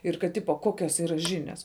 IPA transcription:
ɪr kɐt ˈtʲɪpoː ˈkoːkʲoːs ˈiːrɐ ʒʲɪˈnʲɛs

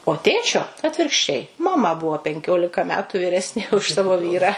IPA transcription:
oː ˈtʲeːt͡ʃʲoː ɐtʲʋʲɪrkʃʲˈt͡ʃʲɛɪ mɐˈmɐ ˈbʊʋoː pʲɛŋʲˈkʲoːlʲɪkɐ ˈmʲæːtʊ ʋʲiːˈrʲæːsʲnʲeː ʊʃ ˈsɑːʋoː ˈʋʲiːrɑː

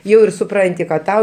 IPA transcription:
ˈjɛʊ ɪr sʊˈprɐnʲtʲɪ kɐt ˈtɐʊ

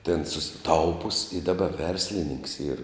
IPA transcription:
tʲeːn sʊsʲɪˈtɐʊpʊs ɪ dɐˈbɐ ˈʋʲɛrʲsʲlʲɪnʲɪŋks iːr

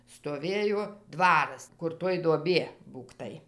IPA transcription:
stoːˈʋʲeːjoː ˈdʋɑːrɐs kʊr ˈtoːj duɔˈbʲiɛ ˈbuːktɐɪ

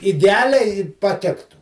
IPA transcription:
ɪdʲɛˈɑːlʲɛɪ pɐˈtʲɪktʊ

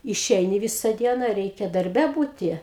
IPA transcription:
ɪˈʃʲɛɪnʲɪ ˈʋʲɪsɐ ˈdʲiɛnɐ ˈrʲɛɪkʲɛ dɐrʲˈbʲɛ ˈbuːtʲɪ

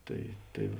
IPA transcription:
ˈtɐɪ ˈtɐɪ

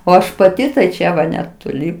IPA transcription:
oː ˈɐʃ pɐˈtʲɪ tɐɪ ˈt͡ʃʲɛ ʋɐ nʲɛtoːˈlʲɪ

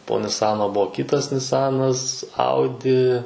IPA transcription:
poː nʲɪˈsɑːnoː ˈbuɔ ˈkʲɪtɐs nʲɪˈsɑːnɐs ˈɐʊdʲɪ

